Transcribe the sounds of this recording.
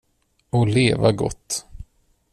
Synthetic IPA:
ɔleːvaɡɔ̰t̪ː

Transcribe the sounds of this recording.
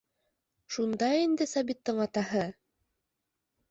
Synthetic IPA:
ʃund̪ɑind̪ɘsɑbit̪ːɤɴɑt̪ɑɦɤ

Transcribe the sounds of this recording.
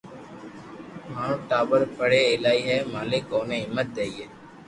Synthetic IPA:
maːɳ̤ũːʈaːbəɾpʰəɽeːeːlaːiːɦɛːmaːleːkoːneːɦɪmːət̪̚d̪eːiːeː

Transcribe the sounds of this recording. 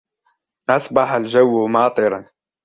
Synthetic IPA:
ʔɑsˤbɑħald͡ʒawːmɑːt̪ˤɨɾˤɑn

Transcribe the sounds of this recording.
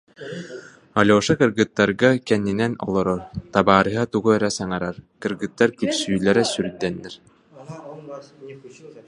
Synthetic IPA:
alʲɔːʃakɯɾɡɯt̪ːaɾɡakɛnːinɛnɔ̰lˠɔɾɔɾt̪abaːɾɯɦat̪uɡuœɾɛsaŋaɾaɾkɯɾɡɯt̪ːaɾkypsyːlɛɾɛsyɾyd̪ːɛnːɛɾ

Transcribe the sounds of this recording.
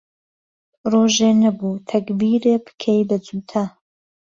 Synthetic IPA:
roːʒeːnɐbut̪ʰɐkbiɾepɨ̥kʰejbɐd͡zut̪ʰɐ

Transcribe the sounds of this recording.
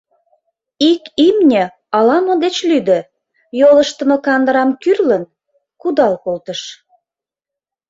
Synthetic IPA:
ikimnʲə̆ | ɑlɑmod̪et͡ɕlyd̪ə̆ | joləʃt̪ə̆mə̆kɑnd̪əɾɑmkyrlən | kud̪ɑlkolt̪əʃ

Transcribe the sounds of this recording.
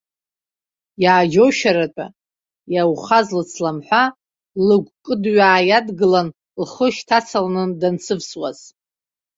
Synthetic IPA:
jaːd͡ʒowʃaɾat͡ʃʷʼa̰ | jawχazlɨt͡sʰlamħʷa | lɨɡʷkʼɨdɥaːjadɡɨlan | lχəʃtʰat͡sʰalanɨndant͡sʰɨvswa̰z̥

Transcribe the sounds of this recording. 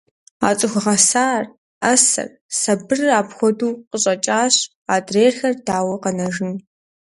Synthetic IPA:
a̰ːt͡sʼɨxʷʊʁɐsaːr | ɐsɐ̰r | sɐbɨraːpxʷɔduːqəɕʼɐt͡ʃʼaːɕ | aːdreːrxɐrdaːwɐqɐnɐʒɪn

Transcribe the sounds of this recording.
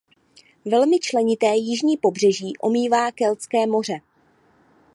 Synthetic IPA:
vɛlmɪt͡ʃlɛɲɪt̪ɛːjɪʒɲiːpo̞br̝ɛʒiːʔo̞̰miːvaːkɛlt͡skɛːmo̞r̝ɛ

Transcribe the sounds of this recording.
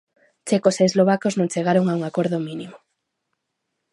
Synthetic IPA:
t͡ʃekoseːzloβakoznõŋt͡ʃeɣ̞aɾoŋauŋakoɾðominimo

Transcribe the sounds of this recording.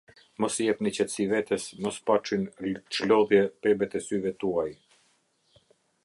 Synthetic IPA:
mɔsjɛp̪nət͡ɕɛt̪sivɛt̪əsmɔspat͡ʃinʃlɔðjɛpɛbɛt̪ɛsyvɛt̪uaj

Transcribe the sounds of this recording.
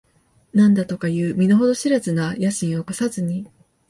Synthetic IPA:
nãnd̪at̪o̞kajɯ̟ːmʲinoɦo̞d̪o̞ɕiɾazɨnajaɕĩɰ̃o̞kosazɨɲ̟i

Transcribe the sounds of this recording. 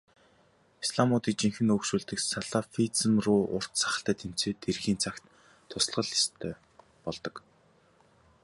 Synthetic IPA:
isɮamʊːt̪iːk̚t͡ɕiŋxɘ̆nɵkʃuːɮt̪ɘ̆ksaɮafit͡sə̆mrʊːʔʊr̥t̪saχə̆ɬt̪æːt̪ʰem̥t͡seːt̪ʰerxiːnt͡sʰakt̪ʰː | ʊs̆ɮʁə̆ɮist̪ʰœː | pɔɮt̪ɞ̆k

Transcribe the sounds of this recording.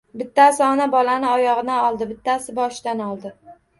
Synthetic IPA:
bɪt̪ʰːasɪɒnabɒlanɪɒjɒʁɨnaɒlˠd̪ɪbɪt̪ʰːasɪbɒʃd̪anɒlˠd̪ɪ

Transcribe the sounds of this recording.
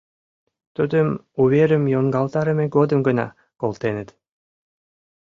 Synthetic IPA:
t̪ud̪ɯmuβʲeɾɘ̆mjoŋɡɑlˠt̪ɑɾɯ̆meɡod̪ɯ̆mɡɯ̆nɑ̰ | kolˠt̪enɘt̪

